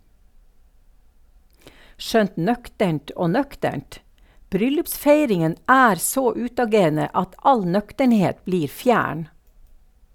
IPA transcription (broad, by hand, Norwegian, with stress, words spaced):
ˈʃœnt ˈnœktəɳt ˈoː ˈnœktəɳt ˈbɾʏlʉpˌsfeɪɾɪŋən ˈæːɾ ˈsoː ˈʉːtɑˌɡeːɾnə ˈɑt ˈɑl ˈnœktəɳˌheːt ˈbliːɾ ˈfjæːɳ